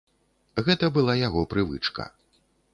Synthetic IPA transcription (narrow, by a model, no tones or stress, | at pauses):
ɣɛt̪ɐbɨlˠajaɣɔpɾɨvɨ̰t͡ʂkɐ̰